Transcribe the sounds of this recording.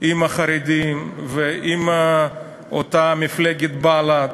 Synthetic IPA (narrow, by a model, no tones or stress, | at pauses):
imaχaɾed̪imveʔima | ot̪amifleɡet̪bala